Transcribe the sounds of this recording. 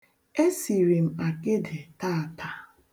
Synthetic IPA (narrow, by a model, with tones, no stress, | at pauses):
e˦si˨ɾi˨m̩˨a˨kɪ˦de˨ta˦˨a˨ta˨